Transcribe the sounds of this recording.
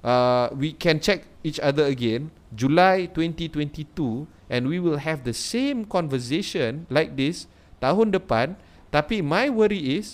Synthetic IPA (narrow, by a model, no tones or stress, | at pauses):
ʔawikʰɛ̃nt͡ʃɛk̚ | it͡ʃadəəɡẽn | d͡ʒulajtwɛ̃ntitwɛ̃ntitu | ʔɛ̃nwiwilɦɛfdəsẽmkɔ̃nvəseʃə̃nlajk̚d̪is | t̪aɦɔ̃ndəpãn | t̪apimajwəɾiɪs